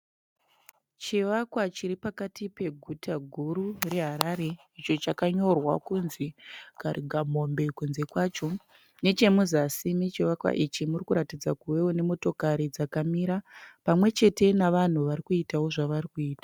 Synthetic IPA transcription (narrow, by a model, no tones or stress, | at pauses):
t͡ʃiʋakwat͡ʃiɾipakatipe̞ɡʱutʰaɡʱuɾureɦaɾaɾe̞ | it͡ʃo̞t͡ʃakaɲo̞rwa̰kunzikariɡʱamo̞mbe̞kunze̞kwaːt͡ʃo̞ | ne̞t͡ʃe̞muzasimit͡ʃiʋakwa̰ʔit͡ʃimurikuɾatid͡zakuwe̞wone̞moto̞kaɾid͡zakamiːɾapamwe̞t͡ʃe̞te̞naʋan̤uʋaɾikuitawo̞ʐaʋarikuiːtḁ